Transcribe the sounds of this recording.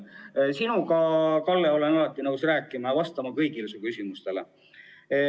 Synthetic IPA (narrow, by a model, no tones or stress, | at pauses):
sinukɑkɑlːeo̞lenɑlɑt̪ːˑinɤwsræːkːˑimɑvɑst̪ɑmɑkɤjɡilusukysʲimust̪e̞le